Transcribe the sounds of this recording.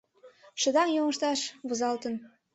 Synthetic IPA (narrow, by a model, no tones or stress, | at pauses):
ʃə̆d̪ɑŋjoŋɤ̆ʃt̪ɑʃβuzɑlt̪ə̆n